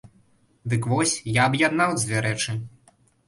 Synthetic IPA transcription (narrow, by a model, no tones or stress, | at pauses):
d̪ɨkvɔsʲjaɐbjad̪nawd͡zʲvʲɛɾɛt͡ʂɨ